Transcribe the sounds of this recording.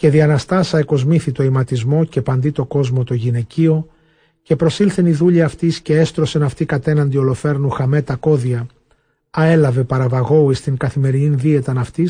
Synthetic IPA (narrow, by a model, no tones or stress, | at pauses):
ce̞ðiɐnɐst̪ɐsɐeko̞zmiθit̪o̞imɐt̪izmo̞ce̞pɐnd̪it̪o̞ko̞zmo̞t̪o̞ʝine̞cio̞ | ce̞pɾo̞silθeniðuʎiɐft̪isce̞est̪ɾo̞se̞nɐft̪ikɐt̪e̞nɐnd̪io̞lo̞fe̞ɾnuxɐme̞t̪ɐko̞ðiɐ | ɐe̞lɐve̞pɐɾɐvɐɣo̞uist̪iŋkɐθime̞ɾininðie̞t̪ɐnɐft̪is